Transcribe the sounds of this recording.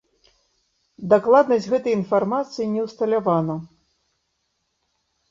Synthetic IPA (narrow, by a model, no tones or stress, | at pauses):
d̪aklˠad̪nɐsʲd͡zʲɣɛt̪ɐjinfarmat̪sɨjinʲɛwst̪ɐlʲavanɐ